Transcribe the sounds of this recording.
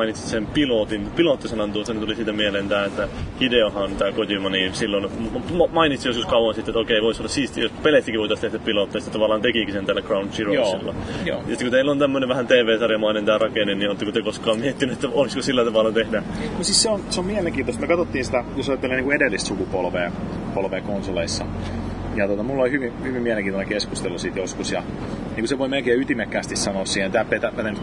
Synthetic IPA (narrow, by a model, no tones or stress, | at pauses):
init̪si̥sempilot̪inpilot̪ːisenɑnt̪uost̪ːɑnet̪ulisit̪æmielent̪æːet̪ːæhideohɑnt̪æːkot̪ʲimɑnisilːonmɑmɑinit̪sijoskuskɑuɑnsit̪ːet̪okeiʋoisolːɑssiːst̪jospelet̪ːikiʋoˑit̪ɑst̪ehdæppilot̪ːɑjsit̪ːt̪ɑʋɑlːˑɑːnt̪ekikisent̪ælːækrɑunt̪siroḛlːɑ̰jo̰jɑst̪ːkut̪eilːont̪æmːøneʋʋæhænt̪eːʋeːsɑrjɑmɑinent̪æːrɑkenenniot̪ːɑkut̪yøkoskɑːmmiet̪ːinyet̪ːæoliskosilːæt̪ɑʋɑlːɑt̪ehdæmosisseonseomieleŋkiːnt̪ost̪myøkɑt̪ot̪ːiːnsit̪æjosɑjɑt̪ːeleniŋkuedelːist̪sukupolʋeː | polʋeːkonsoleisːɑ | jɑt̪ot̪ɑmulːɑolʲhyʋihyʋimielẽŋkiːnt̪oneŋkeskust̪elːusiˑt̪joskusjɑ | niːŋkuseʋoimelkeːyt̪imekːæːst̪issɑnoːssiːhent̪æːpːeˑt̪æpæneny